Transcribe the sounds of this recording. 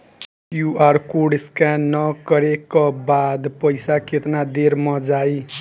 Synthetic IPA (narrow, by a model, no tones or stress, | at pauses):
juarkuɽeskanʌkʌɾekabad̪pʌjsakʰet̪nad̪eɾmʌd͡zaj